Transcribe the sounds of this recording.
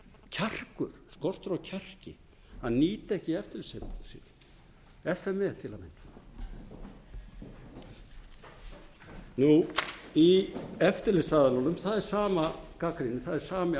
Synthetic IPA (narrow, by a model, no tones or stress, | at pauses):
cʰar̥kʏɾ̥skɔr̥t̪ʏɾawcʰɛr̥cɪ | hanːiːt̪ɪɛhcɪɛft̪ɪɾlɪsesḭn | ɛfɛmɛt̪ʰɪlamɪnt̪ɪ̥ | nuiɛft̪ɪɾlɪsaðalawnʏmθaðɛɾ̥saːmakakɾinɪθaðɛɾ̥saːmɪ